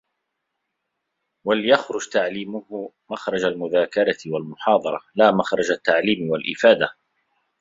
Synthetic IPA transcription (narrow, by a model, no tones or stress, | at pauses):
walɪjaxɾʊd͡ʒt̪aʕliːmʊh | maxɾˤɑd͡ʒalmʊðaːkɑɾˤɑt̪ɪwalmʊħɑːd̪ˤɑɾˤɑlaːmaxɾˤɑd͡ʒat̪ːaʕliːmɪwalʔɪfaːd̪a